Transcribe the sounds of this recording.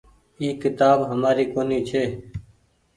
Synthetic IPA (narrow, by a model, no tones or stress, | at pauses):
iːkɪt̪aːbɦəmaːɾiːkoːniːt͡ʃʰeː